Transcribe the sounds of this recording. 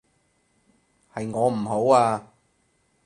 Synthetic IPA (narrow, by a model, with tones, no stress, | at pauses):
hɐ˨jŋɔː˨˧m̩˨˩ho˨˥waː˧